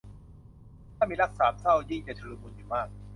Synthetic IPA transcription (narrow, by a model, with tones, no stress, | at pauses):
t̪ʰaː˥˩miː˧la˦˥k̚saː˩˦m̚sa˥˩wjiː˥˩ŋt͡ɕa˨˩t͡ɕʰɯː˧mu˧njuː˨˩maː˥˩k̚